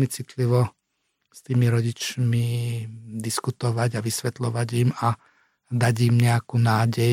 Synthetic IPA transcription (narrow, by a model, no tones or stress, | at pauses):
mit͡sit̪liʋɔ | st̪iːmiɾɔɟit͡ʃmi | d̪iskut̪ɔʋaɟaʋisʋɛt̪lɔʋaɟima | d̪aɟimɲɛakuːnaːɟɛj